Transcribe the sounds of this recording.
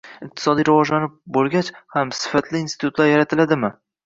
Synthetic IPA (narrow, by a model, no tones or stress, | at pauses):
ɪq̚t̪ʰɪ̥sɒd̪ijɾavɒʒlanɪp̚bolˠɡʲat͡ʃhamsɪ̥fat̪ʰlɪːnsɪ̥t̪ʰʊt̪laɾjaɾat̪ʰɪlad̪ɪmɪ